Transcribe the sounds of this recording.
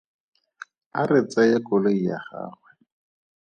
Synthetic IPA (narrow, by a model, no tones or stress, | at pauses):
aret͡sʼajekɔloija̰χa̰ːχwɛ